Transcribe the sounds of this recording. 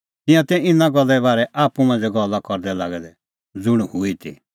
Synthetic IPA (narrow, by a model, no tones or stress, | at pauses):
t̪ɪ̃jãt̪ɛɪnãɡɔlːɛbaːɾɛʔaːpumãnd͡zɛɡɔlːakɔɾd̪ɛlaːɡɛd̪ɛ | d͡zʊɽ̃huit̪ʰḭ